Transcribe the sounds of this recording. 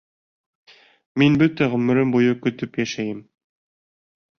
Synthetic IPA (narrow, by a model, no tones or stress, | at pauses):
minbɵt̪æʁɵ̆mɘ̆ɾɘmbujɤkɵ̆t̪ɵpjæʃæjɘm